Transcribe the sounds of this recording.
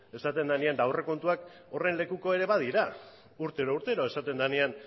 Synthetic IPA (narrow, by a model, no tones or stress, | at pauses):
e̞sat̪e̞nd̪aniand̪awre̞ko̞nt̪uak | o̞re̞nle̞kuko̞e̞ɾe̞βað̞iɾa | uɾt̪eɾouɾt̪e̞ɾoe̞sat̪e̞nd̪anian